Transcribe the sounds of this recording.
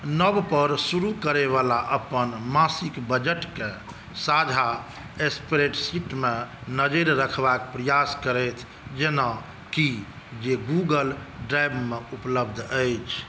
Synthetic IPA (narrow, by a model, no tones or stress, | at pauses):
nəbpəɾsuɾukəɾeβalaʔəpənmasikbəd͡ʒeʈke | sad͡ʒʱa | espɾeʈsiʈmẽnəd͡ʒeɾɾəkʰbakepɾəjaskəɾət̪ʰ | d͡ʒena | ki | d͡ʒeɡuɡəlɖɾajbmeupləbd̪ʱəjt͡ʃʰ